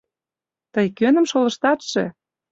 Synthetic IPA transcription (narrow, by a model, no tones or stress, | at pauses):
t̪əjkønə̆mʃolɤ̆ʃt̪ɑt̪ʃĕ